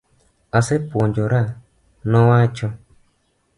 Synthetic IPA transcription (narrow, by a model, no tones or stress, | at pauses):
asepuɲd͡ʒoɾa | nɔ̃wat͡ʃɔ